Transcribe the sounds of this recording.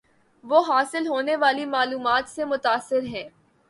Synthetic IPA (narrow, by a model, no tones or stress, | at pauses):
ʋoːɦaːsɪlɦoːneʋaːlimaːluːmaːt̪semʊt̪aːsːɪɾɦɛ̃ː